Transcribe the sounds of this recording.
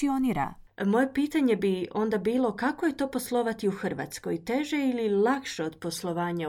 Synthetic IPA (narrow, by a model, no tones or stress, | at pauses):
ioniːɾa̰ | mo̞je̞piːt̪aɲe̞bio̞nd̪abiːlˠo̞kako̞je̞t̪o̞ːpo̞slˠo̞ʋat̪iuxr̩ʋa̰t̪sko̞jt̪e̞ʒe̞ililˠakʃeo̞d̪̥po̞slˠo̞ʋaːɲa